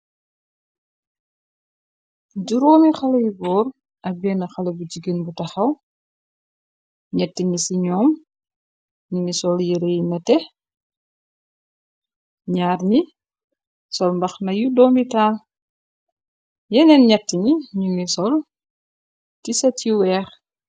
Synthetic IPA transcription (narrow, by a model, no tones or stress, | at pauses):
ɟuɾɔːmixɐlɐjubɔːɾ | ʔɐbɛnɐxɐlɐbuɟiɡənbutɐxɐw | ɲɛtːiɲisiɲɔːm | ɲuŋisɔljəɾejnɐtɛ | ɲaːɾni | sɔlmbɐxnɐjudɔːmitaːl | jɛnɛnɲɛtːəɲiɲuŋisɔl | tisɐtiwɛːx